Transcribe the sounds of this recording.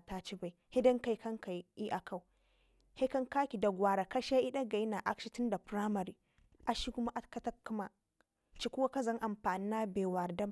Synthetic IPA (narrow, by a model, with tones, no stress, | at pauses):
taː˦t͡ʃi˦ba˦˨jhe˦dɐ˦ŋka˦˨jkɐ˦ŋka˨ji˦ʔa˨kʰa˦˨w | he˦kɐ˦ŋkaː˦kʲi˨da˨ɡʷaː˨ɾa˨ka˦ʃa˦ʔi˦ɗa˦ɡa˨ji˦na˨ʔa˦kʃi˦tʊ˦nda˨pɾa˦mɐ˨ɾiː˨ | ʔa˨ʃi˦kʊ˦ma˦ʔa˦kɐ˦tɐ˦ku˦ma˨ | t͡ʃi˦kʷʊ˦wa˦ka˦zɐ˦ŋʔa˨mɸaː˨ni˦na˦beː˨wa˨ɾda˦